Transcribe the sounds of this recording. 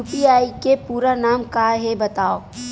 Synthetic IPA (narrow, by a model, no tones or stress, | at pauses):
uːpiaːikepuːɾanaːmkaɦebɐt̪aːo